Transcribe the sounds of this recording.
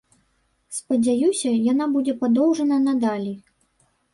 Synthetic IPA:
spɐd͡zʲajusʲɐjanabud͡zʲɛpad̪ɔwʐɐnɐnɐd̪alʲi

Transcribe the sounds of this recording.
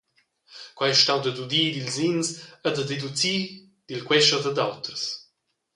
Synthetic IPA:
kwajɛʃtawd̪əd̪ud̪iːd̪ilzinsəd̪əd̪ed̪ut͡siː | d̪̥ilkwɛʃəd̪əd̪awt̪əs

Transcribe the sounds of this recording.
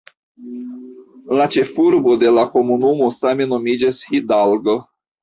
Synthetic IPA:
lat͡ʃe̞fuɾbo̞d̪e̞lako̞munumosameno̞mid͡ʒeshid̪alɡo

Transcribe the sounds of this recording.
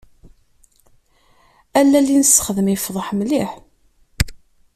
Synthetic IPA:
ælːælːinəsə̥χəðəmifðˤəħmliħ

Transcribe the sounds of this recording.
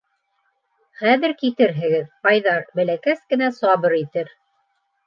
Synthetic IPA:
χæðɘ̆ɾkit̪ɘɾɦɘ̆ɡɘðpɑjðɑɾbælækæskɘ̆næsɑβɤɾit̪ɘɾ

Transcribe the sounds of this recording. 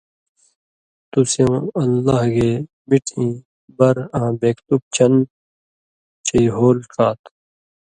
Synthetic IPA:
t̪usjõːɐlːaːɦɡeː | biʈʰĩː | bɐɾãːbeːkt̪up̚t͡ɕʰɐn | t͡ɕʰiːɦoːlkaːt̪

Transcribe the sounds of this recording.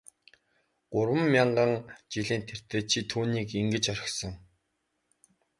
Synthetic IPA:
ɢ̥ʊɾwə̆mːʲaɴɢə̆ŋt͡ɕiɮiːnt̪ʰer̥t̪eːt͡ɕʰit̪ʰːuːniːkiŋɡɘ̆t͡ɕœɾʲɪ̆xsɞ̆ŋ

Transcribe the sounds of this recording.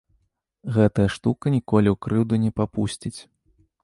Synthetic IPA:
ɣɛt̪ɐjɐʂt̪ukɐnʲikɔlʲiwkɾɨwd̪unʲɛpapusʲt͡sʲit͡sʲ

